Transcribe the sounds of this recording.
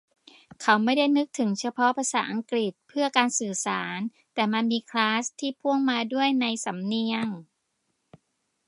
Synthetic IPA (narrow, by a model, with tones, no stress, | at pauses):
kʰa˩˦wma˥˩jda˥˩jnɯ˦˥k̚t̪ʰɯ˩˦ŋt͡ɕʰa˧pʰɔ˦˥ʔpʰa˧saː˩˦ʔa˧ŋkɾi˨˩t̪̚pʰɯ˥˩ɐkaː˧nsɯː˨˩saː˩˦n | t̪ɛː˨˩ma˧nmiː˧kʰlaː˦˥st̪ʰːiː˥˩pʰu˥˩əŋmaː˧du˥˩əjna˧jsa˩˦mni˧əŋ